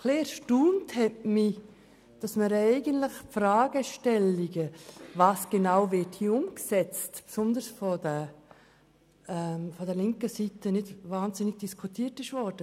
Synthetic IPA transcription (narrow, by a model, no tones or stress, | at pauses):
kleːʃtuːnthɛtmi | d̥ɑsməɾɛɪɡəntləxfɾaːɡəʃtɛliɡəvaːsɡ̥enaʊvɪthiːʊmksɛt͡stpsʊndəsfɔdɛ | ɛmfɔdɛlɪŋkəsitənɪdvaːnzɪnɪɡ̥̚d̥iskʰutʰiːtɪʃvɔɾd̥ə